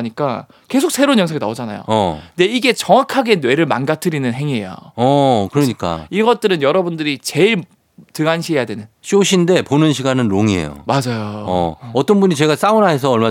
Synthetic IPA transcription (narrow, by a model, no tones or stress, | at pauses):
ɲik͈a | ke̞sʰok̚sʰe̞ɾonɲjʌŋsʰaɡinaod͡ʑana̰jo̰ʌnde̞iɡe̞t͡ɕʌŋakʰaɡe̞nwe̞ɾɯɭma̰nɡatʰɯɾinɯnɦe̞ŋiḛjo̰ʌkɯɾʌɲik͈a̰iɡʌt̚t͈ɯɾɯnjʌɾʌbundɯɾit͡ɕe̞ɭ | tɯɡanɕʰiɦe̞jadwe̞nɯnɕ͈ioɕʰinde̞ponɯnɕʰiɡanɯnɾoŋiɦḛjo̰mad͡ʑajo̰ʌt͈ʌnbuɲit͡ɕe̞ɡas͈aunaɦe̞s̬ʰʌːɭma